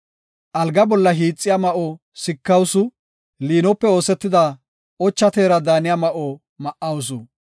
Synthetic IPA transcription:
ʔɐlɡɐbɔlːɐɦiːt͡sʼːɪjamɐʔɔ | sɪkːɐwsʊ | liːnɔpːɛo̞ːsɛt̪ːɪd̪a | ɔt͡ʃːɐt̪eːɾɐd̪aːnɪjamɐʔɔ | mɐʔɐws̬ʊ

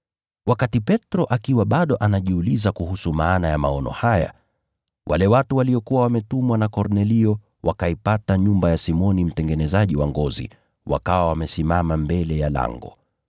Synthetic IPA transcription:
wakatipɛtɾɔʔakiwaɓaɗɔʔanaʄiulizakuhusumaːnajamaɔnɔ̰haja̰ | wʔa̰lɛwatuwaliɔkuwawamɛtumwanakɔɾnɛliɔ | wakaipataɲumbajasimɔnim̩tɛŋɡɛnɛzaʄiwaŋɡɔzḭ | wa̰kawawamɛsimamambɛlɛjala̰ŋɡɔ̰

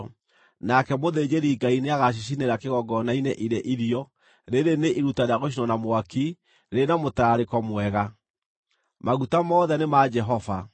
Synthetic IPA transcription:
nakɛmoðed͡ʑeɾiɡaineaɣaɕ̬iɕ̬ineɾakeɣɔɡɔnaineʔiɾeʔiɾiɔ | ɾeɾeneʔiɾutaɾeaɣoʃ̬inɔnamwaki | ɾenamotaɾekɔmwɛɣa | maɣutamɔːðɛnemad͡ʒɛɦɔva

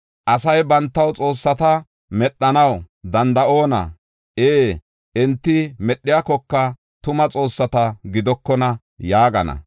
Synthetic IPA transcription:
ʔɐsɐjbɐnt̪ːɐwt͡sʼo̞ːsːɐt̪ɐ | mɛɗːɐnɐw | d̪ɐnd̪ɐʔo̞ːnɐ̰ | ʔeː | ʔɪnt̪ːɪmɛɗːɪjakɔkːɐ | t̪ʊmɐt͡sʼo̞ːsːɐt̪ɐɡɪd̪ɔkːɔnɐ | jaːɡɐnɐ̰

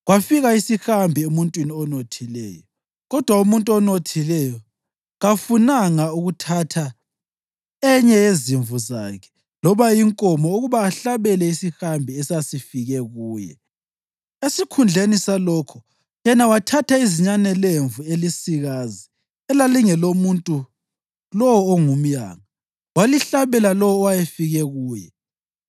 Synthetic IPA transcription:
ɣwafiɣaisixambʱiumuntʼwiniɔnotʰilɛ̰ːjɔ | ɣɔd̥ʱwaumuntʼuɔnotʰilɛjɔ | ɣafunaŋauɣutʰatʰa | ɛɲɛjeziɱvuzakʰɛ̥ | lɔβajiŋkʼɔmɔuɣuβaːɬaβɛlɛisixambʱiɛsasifiɣɛɣuːjɛ̰ | esikʰund͡ɮʱenisalɔːkʰɔ | jɛnawatʰatʰaiziɲanɛleɱvuelisiɣazi | ɛlaliŋɛlomuntʼu | lɔwɔːŋum̩ja̰ːŋa | waliɬaβɛlalɔwɔwajefiɣɛɣuːjɛ̰

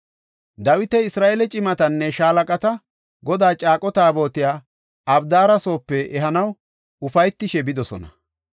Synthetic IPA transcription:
d̪ɐwɪt̪ɛɪsɾaːʔelɛt͡ʃʼɪmɐt̪ɐnːɛʃaːlɐkʼɐt̪ɐ | ɡɔd̪aːt͡ʃʼaːkʼɔt̪aːbo̞ːt̪ɪjaː | ɐbd̪aːɾɐso̞ːpːɛɛɦɐnɐw | ʊfɐjt̪ːɪʃɛbɪd̪ɔsɔ̰nɐ̰

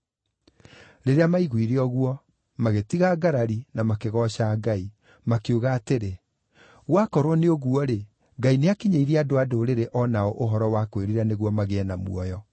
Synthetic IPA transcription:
ɾeɾeamaiɣwiɾeɔɣuwɔ | maɣetiɣaɡaɾaɾinamakeɣɔɕaɡai | makeuɣaːteɾe | ɣwakɔɾwɔneoɣwɔɾe | ɡaineakiɲeiɾiadoadoɾeɾeʔɔnaɔʔoɦɔɾɔwakoeɾiɾaneɣwɔmaɣeɛnamṵɔjɔ

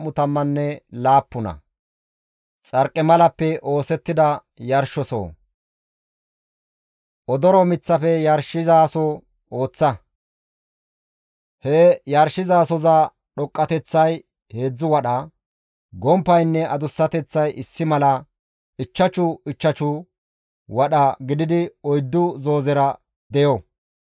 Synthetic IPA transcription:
mʊt̪ɐmːɐnːɛlaːpːʊnɐ̰ | t͡sʼɐɾkʼːɛmɐlɐpːɛʔo̞ːsɛt̪ːɪd̪ɐ | jɐɾʃɔso̰ː | ʔɔd̪ɔɾɔmɪt͡sːɐfɛjɐɾʃɪzaːsɔ | o̞ːt͡sːɐ | hɛjɐɾʃːɪzaːsɔza | ɗɔkʼːɐt̪ɛt͡sːɐj | he̞ːd͡zːʊwɐɗɐ | ɡɔmpːɐjnːɛʔɐd̪ʊsːɐt̪ɛt͡sːɐjɪsːɪmɐlɐ | ɪt͡ʃːɐt͡ʃʊɪt͡ʃːɐt͡ʃʊ | wɐɗɐɡɪd̪ɪd̪ɪɔjd̪ːʊzo̞ːzɛɾɐ | d̪ɛjɔ

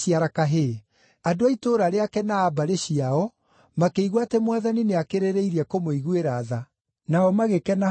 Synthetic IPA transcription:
iaɾakaɦe | adoaitoːɾaɾeakɛnaːbaɾeɕiaɔ | makeiɣwatemwaðanineakeɾeɾeiɾiɛkomoiɣweɾaːða | naɔmaɣekɛna

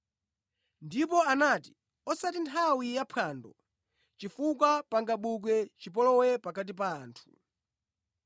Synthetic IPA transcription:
ndipɔanati̥ | ɔsatintʰawijapʰandɔ | t͡ʃifuk̬wapaŋɡaɓuk̬wɛt͡ʃip̬ɔlɔwɛpakat̬ip̬aːntʰu̥

